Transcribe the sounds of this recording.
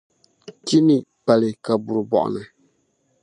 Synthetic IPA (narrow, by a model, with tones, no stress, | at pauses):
ti˦ni˨pa˨lɨ˨ka˨bu˨ɾɨ˨bɔ̰˨ʔʊ̰˨nɨ˨